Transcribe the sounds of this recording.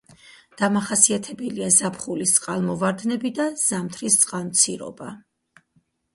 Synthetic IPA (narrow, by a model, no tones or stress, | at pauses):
d̪̥amaχasiat̪ʰɛbɛliazapʰχulist̪sʼqʼalˠmɔvaɾd̪nɛbid̪az̥amt̪ʰɾist̪sʼqʼalˠmt̪sʰiɾɔ̰ba